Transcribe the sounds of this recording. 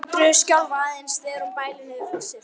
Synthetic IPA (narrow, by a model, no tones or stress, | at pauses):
t̪ɾʏscawlvaːðɪnsðɛːɾʏmpaːjlɪnɪðɾɔsɪ